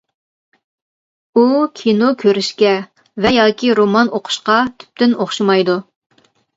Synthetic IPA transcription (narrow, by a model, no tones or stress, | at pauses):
ukʲʰinokʲʰøɾyʃkʲɛ | vɛjɑːkʲiɾomɑnoqʰʊ̥ʃqɑt̪ʰy̥p̚t̪ɪnoχʃumɑjd̪u